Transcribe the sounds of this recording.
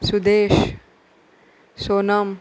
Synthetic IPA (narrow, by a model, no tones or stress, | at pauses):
sud̪eːʃ | soːnam